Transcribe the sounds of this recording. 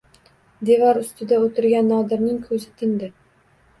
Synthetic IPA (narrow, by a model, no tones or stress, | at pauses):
d̪e̞vɒɾʊst̪ɪd̪aot̪ʰɪɾɡʲanːɒd̪ɪɾnɪŋkʰɵzɪt̪ʰɪŋd̪ɪ